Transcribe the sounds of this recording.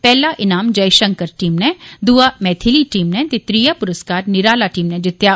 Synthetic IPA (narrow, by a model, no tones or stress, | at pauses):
pɛːlaʔɪnaːmd͡ʒɐjʃəŋkəɾʈiːmnɛd̪uːamɛːt̪ʰiliːʈiːmnɛt̪et̪ɾijapʊɾəskaːɾnɪɾaːlaʈiːmnɛ̃d͡ʒ̪ɪt̪ja